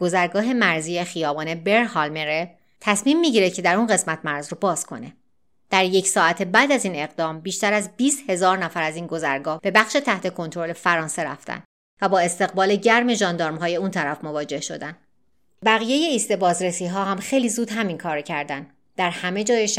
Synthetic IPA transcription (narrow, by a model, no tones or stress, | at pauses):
ɡ̥o̞zæɾɡɒːɦe̞mæɾziːjexijɒːbɒːnebe̞ɾhɒlmeɾe | t̪ʰæsmiːmːiɟiːɾecʰe̞d̪æɾunɢe̞smæt̪ʰmæɾzɾobɒːz̥kʰo̞̰ne̞ | d̪̥æɾjecʰsɒːæt̪ʰe̞bæːd̪æziːne̞ɣd̪ɒːmbiːʃt̪æɾæzbiːst̪he̞zɒːɾnæfæɾæziːnɡo̞zæɾɡɒːhb̥e̞bæxʃe̞t̪ʰæht̪ʰe̞kʰo̞nt̪ʰɾo̞lefæɾɒːnse̞ɾæ̰ft̪ʰæ̰n | væbɒːe̞st̪e̞ɣbɒːleɟæɾme̞ʒɒːnd̪ɒːɾmɦɒːje̞unt̪ʰæɾæfmo̞vɒːd͡ʒe̞hʃo̞̰d̪æn | bæɣije̞je̞iːst̪e̞bɒːzɾesiːɦɒːɦæmxe̞jliːzuːd̪ɦæminkʰɒːɾecʰæɾd̪æn | d̪̥æɾhæme̞d͡ʒɒːjeʃ